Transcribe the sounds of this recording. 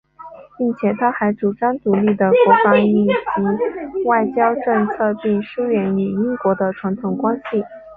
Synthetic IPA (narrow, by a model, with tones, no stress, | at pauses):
pi˥˩ŋt͡ɕʰjɛ˨˩t̪ʰa˥xa˧˥ɪʈ͡ʂu˨˩ʈ͡ʂɑ˥ŋt̪u˧˥li˥˩d̪ə˩kwɔ˧˥fɑ˧˥ŋy˥˩t͡ɕi˧˥wa˥˩ɪt͡ɕjɑ˥ʊʈ͡ʂɤ˥˧ŋt͡sʰɤ˥˧pi˥˩ŋʂu˥ɥɛ˧˥ny˨˩i˥ŋkwɔ˧˥d̪ə˧ʈ͡ʂʰwa˧˥nt̪ʰʊ˧˥ŋkwa˥nɕi˨˩